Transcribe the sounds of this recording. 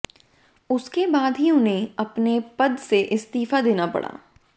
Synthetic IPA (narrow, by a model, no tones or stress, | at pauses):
ʊskebaːd̪ɦiʊnɦẽɐpnepɐd̪seʔɪst̪iːfad̪eːnapɐ̰ɽa̰ː